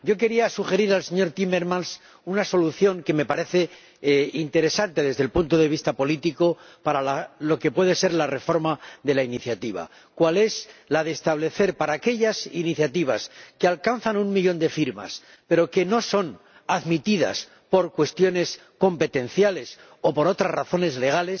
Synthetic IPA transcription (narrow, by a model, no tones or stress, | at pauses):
ɟ͡ʝo̞ke̞ɾiasuxe̞ɾiɾalse̞ɲo̞ɾt̪imeɾmãns | unaso̞luθjo̞ŋke̞me̞paɾe̞θe̞ | int̪e̞ɾe̞sant̪e̞ðe̞zðe̞lpunt̪oðe̞β̞ist̪apo̞lit̪iko̞ | paɾalalo̞ke̞pwe̞ð̞e̞se̞ɾlare̞fo̞ɾmaðe̞lainiθjat̪iβa̰ | kwale̞slaðe̞ːst̪aβ̞le̞θe̞ɾpaɾaːke̞ʎasiniθjat̪iβ̞askealkanθanuŋmiʎo̞nd̪e̞fiɾma̰s | pe̞ɾo̞ke̞no̞so̞n | aðmit̪iða̰s | po̞ɾkwe̞st̪jo̞ne̞s | ko̞mpe̞t̪ẽ̞nθjale̞s | o̞po̞ɾo̞t̪ɾazraθo̞ne̞zle̞ɣ̞ale̞s